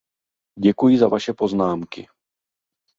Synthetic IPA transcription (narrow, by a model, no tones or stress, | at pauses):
ɟɛkujɪzavaʃɛpo̞znaːmkɪ̰